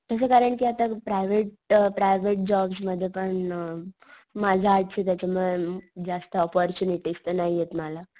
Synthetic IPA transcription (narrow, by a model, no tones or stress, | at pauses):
t̪əs̬əkaɾəɳʈkiat̪apɾajʋeʈ̚ | pɾajʋeʈ̚d͡ʑɔbsməd̪ʱːjepəɳ | mad͡ʑʱaːt̪̚t͡ɕʰet̪jat͡ɕamuɭed͡zast̪əɔpɔɾt͡ɕuniʈist̪ənaɦijet̪məla